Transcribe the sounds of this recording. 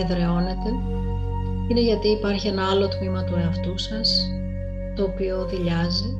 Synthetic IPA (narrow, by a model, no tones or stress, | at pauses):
eðɾe̞o̞ne̞t̪e̞ | ine̞ʝɐt̪iːpɐɾçie̞nɐɐlo̞t̪mimɐt̪ueɐft̪usɐs | t̪o̞ːpio̞ðiʎɐzi